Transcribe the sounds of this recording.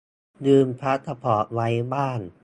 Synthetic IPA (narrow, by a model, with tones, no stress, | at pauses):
dɯː˧mpʰɾa˦˥t̪ʰa˧pʰɔː˩˦wa˦˥jbaː˥˩n